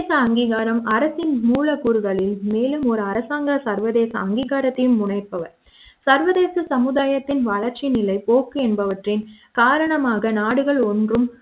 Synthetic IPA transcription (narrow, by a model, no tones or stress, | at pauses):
sɐɐŋɡiːɣaːɾɐmɐɾɐsɪnmuːɭɐkuːɾɯɣɐɭɪlmeːlɯmɔɾɯɐɾɐsaːŋɡɐsɐɾʋɐðeːsɐ̰ɐŋɡiːɣaːɾɐt̪ːɐjɯmːʊɳɐɪpːɐʋɐɾ | sɐɾʋɐðeːsɐsɐmɯðaːjɐt̪ːɪnʋɐɭɐɾt͡ʃinɪlɐɪpoːkːɯɛnbɐʋɐʈrɪnkaːɾɐɳɐmaːɣɐnaːɽɯɣɐɭɔndrɯm